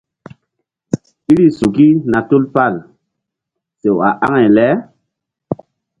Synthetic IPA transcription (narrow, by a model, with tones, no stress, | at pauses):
i˦ɾi˦su˨ki˦na˨tu˦lpa˦˨l | se˨wa˨ʔa̰˦ŋe˨lɛ˨˦